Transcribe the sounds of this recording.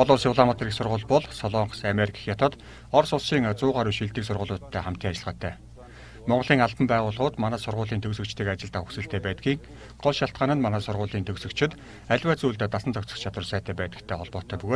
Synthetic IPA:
ɔɮʊːrsiwɮamat̪riːksʊrʁʊːɮpɔɮsɔɮɔɴχsameɾikʰḁxjat̪ə̆t̪ | ɔrsʊɮʃiːŋt͡sʊːʁaːɾuʃiɮt̪iːksʊrʁʊ̆ːɮʊːt̪ʰːæːχam̥t̪iːŋat͡ɕɪ̆ɮʁə̆ːt̪ʰːæː | mɔɴɢɞ̆ɮiːŋaɮp̪ə̆mpæːʁʊːɮʁʊːt̪manæːsʊrʁʊːɮiːnt̪ʰɵksɵ̆kt͡ɕt̪ʰiːkat͡ɕɪ̆ɮt̪aːxusɘ̆ɬt̪ʰeːpæːt̪ɡiːŋ | ɢɔɮʃjaɬt̪̚ɢaːnə̆nmanæːsʊrʁʊːɮiːnt̪ʰɵɣsɵ̆kt͡ɕʰɪ̆t̪ | æɮʲwæːt͡suːɮt̪eːt̪asə̆nt͡sɔkt͡sə̥̆χt͡ɕʰat̪wə̆rsæːt̪ʰæːpæːt̪ə̥̆kt̪ʰːeːχɔɮpɔːt̪ʰœːpɵɣoː

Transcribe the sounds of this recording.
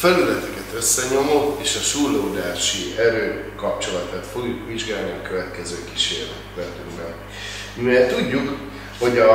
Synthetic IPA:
fɛlylɛt̪ɛkɛt̪øsːɛɲo̞moːeːʃɒʃuloud̪aːʃiɛɾøːkɒp̚t͡ʃo̞lɒt̪at̪fo̞ɡjukʋiʒɡaːlniɒkøvɛt̪kɛzøːki̥ʃḛːrlɛ̰lɛt̪yɡbɛn | ɛt̪uɟːuk | ho̞ɟɒ

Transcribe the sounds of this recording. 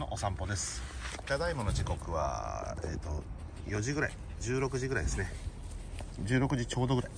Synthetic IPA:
noʔosãmpo̞d̪esɨ̥t̪ad̪aimonot͡ɕiko̞kɯ̟βa̰ḛːt̪o̞ | jo̞ʑiɡɯ̟ɾai | d͡ʑɨːɾo̞kɯ̟ʑiɡɯ̟ɾaijd̪e̞sɨne̞ | d͡ʑɨːɾo̞kɯ̟ʑit͡ɕoːd̪oɡɯ̟ɾai

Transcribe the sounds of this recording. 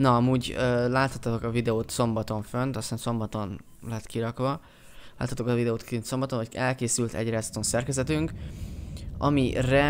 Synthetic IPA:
nɒɒmuːɟøːlaːt̪hɒt̪ːt̪o̞kɒvid̪ɛoːt̪so̞mbɒt̪o̞ɱfønt̪ɒst̪aːnso̞mbɒt̪o̞n | lɛɛt̪kiɾɒkʋɒ | laːt̪hɒt̪okɒvid̪ɛoːt̪kint̪so̞mbɒt̪o̞nɦoɟɛlkeːsylt̪ɛ̰ɟraːst̪onsɛrkɛzɛt̪yŋk | ɒ̰mirɛ

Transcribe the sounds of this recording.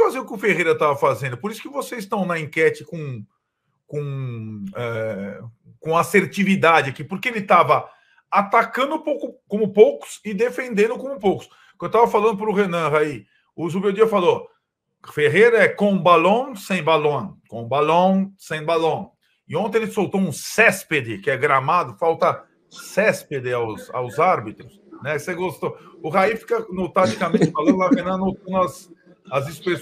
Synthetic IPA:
fazeʊkɪʊfehejɾɐt̪avɐfazẽnd̪ʊpoɾisʊ̥kɪvosezɪst̪ɐ̃w̃nɐĩkɛt͡ʃɪkõ | kõ | ɛ | kõaseɾt͡ʃivid̪ad͡ʒɪakipoɾkeelɪt̪avɐ | at̪akɐ̃nd̪ʊpowkʊkõmʊpowkʊ̥sɪd̪efẽnd̪ẽnd̪ʊkõmʊpowkʊ̥s | ewt̪avɐfalɐ̃nd̪ʊpɾʊɦenɐ̃ʁai | uzʊmewd͡ʒiɐfalo | feɦejɾɐɛkõbalõw̃sẽj̃balõkõbalõsẽj̃balõ | ɪõnt̪ẽelɪsowt̪oũsɛsped̪ɪkɪɛɡɾamad̪ʊfawt̪ɐ | sɛsped̪ɪawsa̰wzaɾbit̪ɾʊsnɛseɡost̪oʊɦaifi̥kɐnot̪aʒikamẽnt͡ʃɪfalɐ̃d̪ʊlahẽnɐ̃not̪ɐ̃nd̪ʊɐs | ɐzispɾes

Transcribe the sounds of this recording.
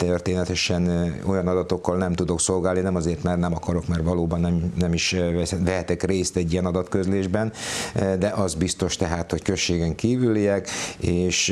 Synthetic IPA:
t̪ørt̪eːnɛt̪ɛʃɛno̞jɒnɒd̪ɒt̪okːɒlnɛmt̪ud̪o̞kso̞lɡaːlninɛmɒzeːrt̪mɛrnɛmɒkɒɾo̞kmɛrʋɒloːbɒnːɛmnɛmiʃɛʋɛɦɛt̪ɛkreːst̪ɛɟːijɛnɒd̪ɒt̪kø̞zleːʒbɛnd̪ɛʔɒzbist̪o̞ʃt̪ɛɦaːt̪ho̞ckø̞ʃːeːɡɛŋkiːvylijɛkeːʃ

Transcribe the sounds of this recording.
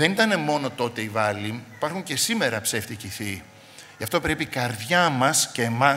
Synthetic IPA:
ðe̞nit̪ɐne̞mo̞no̞t̪o̞t̪e̞ivɐliipɐɾxuɲce̞sime̞ɾɐpseft̪iciθi | ʝɐft̪o̞pɾe̞pikɐɾðʝɐmɐsceːmɐ

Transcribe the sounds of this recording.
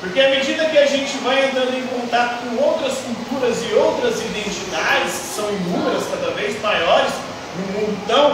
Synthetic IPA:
poɾkeɐmed͡ʒid̪ɐkɪaʒẽnt͡ʃɪvajẽnt̪ɾɐ̃nd̪ʊẽkõnt̪at̪ʊ̥kõowt̪ɾɐskuwt̪uɾɐzɪowt̪ɾɐzid̪ẽnt͡ʃid̪ad͡ʒɪskɪ̥sɐ̃w̃ĩmũɐskad̪ɐvejzmajɔɾɪz | nʊ̃mũd̪ʊt̪ɐ̃w̃

